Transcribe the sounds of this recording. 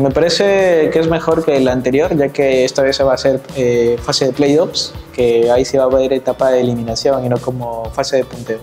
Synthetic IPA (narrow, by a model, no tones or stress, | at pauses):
me̞paɾe̞se̞kezme̞xo̞ɾke̞lant̪e̞ɾjo̞ɾʝake̞est̪aβeseβaːse̞ɾefase̞ð̞e̞plejopske̞aisiβaːβe̞ɾe̞t̪apaðe̞ːlimĩnasjo̞ŋino̞ko̞mo̞fase̞ð̞e̞punt̪e̞o